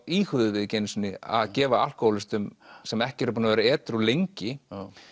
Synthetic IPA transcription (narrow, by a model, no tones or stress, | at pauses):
iːxʏðʏvɪðcejnsnɪa̰ðcɛːvaal̥kɔlɪst̪ʏmsɛmɛhcɪɛːɾpuːnavɛːɾaɛːt̪ɾulejɲcɪ